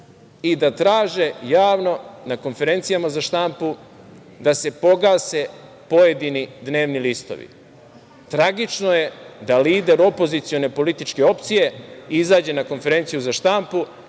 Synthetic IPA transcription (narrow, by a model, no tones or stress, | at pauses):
id̪at̪ɾaːʒe̞jaːʋno̞nako̞nfe̞ɾe̞nt̪sijamazaʃt̪ampu | d̪ase̞po̞ɡaːse̞ | po̞je̞d̪inid̪ne̞ːʋnilist̪o̰ʋḭ | t̪ɾaɡit͡ʃnoje̞d̪aliːd̪e̞ɾo̞po̞zit̪sijo̞ne̞po̞lit̪it͡ʃke̞o̞pt̪sije̞izaːd͡ʑe̞nako̞nfe̞ɾe̞nt̪sijuzaʃt̪ampu